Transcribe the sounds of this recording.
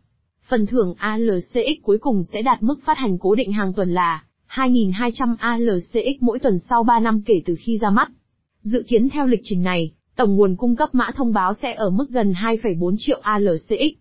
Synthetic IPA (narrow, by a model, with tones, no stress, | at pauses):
fə˨˩nt̪ʰɨ˧˩əŋʔaː˧ləː˨˩se˧ʔi˦˥k̚ku˨˦jkʊ˨˩ŋ͡msɛ̰˧˥ɗaː˨˩t̚mɨ˦˥k̚faː˦˥t̚ha˨˩jŋ̟ko˨˦ɗḭ̈˧˨ŋ̟ɦaː˨˩ŋt̪wə˨˩nlaː˨˩ | haː˧jŋi˨˩nɦaː˧jt͡ɕa˧mʔaː˧ləː˨˩se˧ʔi˦˥k̚mo̰˧˥jt̪wə˨˩nsa˧wɓaː˧na˧mke˧˩t̪ɨ˨˩xi˧zaː˧ma˦˥t̚ | zɨ̰˧˨ki˨˦ənt̪ʰɛ˧wlï˨˩k̚t͡ɕï˧˩ŋ̟na˨˩j | t̪ə˧˩wŋ͡mŋu˨˩ənkʊ˧ŋ͡mkə˦˥p̚ma̰ː˧˥t̪ʰə˧wŋ͡mɓaː˨˦wsɛ̰˧˥ʔəː˧˩mɨ˦˥k̚ɣə˨˩nɦaː˧jfə˧˩jɓo˨˦nt͡ɕḭ˧˨əwʔaː˧ləː˨˩se˧ʔi˦˥k̚